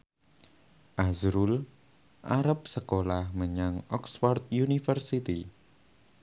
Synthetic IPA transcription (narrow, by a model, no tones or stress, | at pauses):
ʔazɾul | ʔaɾəp̚səkolahməɲaŋɔksfart̪̚junifərsit̪i